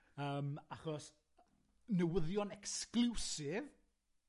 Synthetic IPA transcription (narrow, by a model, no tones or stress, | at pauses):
əːmaχɔs | nəwəðjɔnɛksklusɪv